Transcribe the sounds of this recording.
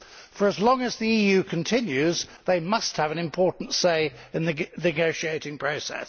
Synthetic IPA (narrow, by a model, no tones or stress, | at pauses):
fə˞əzlɒ̃ŋəzðiiːjʉːkʰə̃ntʰɪ̃njʉzðeɪmʌst̚həvə̃ñɨ̃mpʰɔˑʔn̩tseɪ | ɪ̃nðɨnɨɡəʊʃieɪtɪ̃ŋpʰɹ̥əʊsɛ̰s